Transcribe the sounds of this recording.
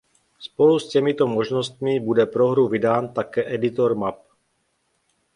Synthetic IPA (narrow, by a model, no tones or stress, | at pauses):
spoluscɛmit̪omoʒnost̪̚mɪbudɛpɾoɦɾuvidaːnt̪akɛːʔɛdɪt̪oɾmap̚